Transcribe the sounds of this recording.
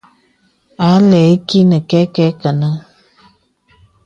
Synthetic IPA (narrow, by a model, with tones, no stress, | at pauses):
a˨˦lɛ˨˦ki˦nə˨kɛ˦kɛ˦kə˨nə˦